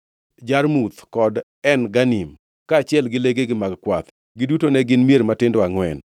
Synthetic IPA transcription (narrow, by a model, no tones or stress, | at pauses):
d͡ʒarmut̪kɔd | ɛnɡanim | kaːt͡ʃɪɛlɡɪleɡeɡɪmaɡkwat̪ | ɡɪdutonɛɡɪnmijeɾmatɪndɔaŋwɛ̰n